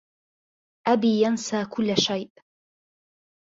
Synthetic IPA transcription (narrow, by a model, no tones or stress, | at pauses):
ʔabiːjansaːkʊlːʃajʔ